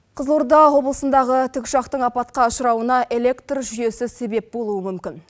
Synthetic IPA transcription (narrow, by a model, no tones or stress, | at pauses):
qʰəzlˠoɾd̪ɑwo̞blˠəsənd̪ɑʁət̪ʰʏkʲʃɑqt̪əɴɑpɑt̪qɑʊʃəɾɑwənɑʔe̞le̞kt̪rʒʏje̞sɪse̞be̞p̚bo̞lˠuəmʏmkʲɪn